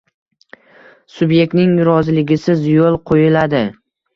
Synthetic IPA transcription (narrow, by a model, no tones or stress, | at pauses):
sʊbje̞k̚ʲt̪nɪŋɾɒzɪlɪɡʲɪsɪzjolˠqʰojɪlad̪ɪ